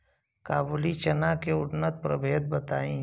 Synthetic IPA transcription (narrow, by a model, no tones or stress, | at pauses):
kaːbulit͡ʃɐnakeʊʈnət̪̚pɾəbʱeːd̪̚bɐt̪aːĩ